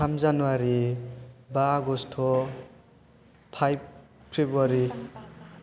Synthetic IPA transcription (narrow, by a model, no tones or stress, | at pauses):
amzanuwaɾi | baɡɔstʰɔ | pʰajb̚ | pʰɾebaɾi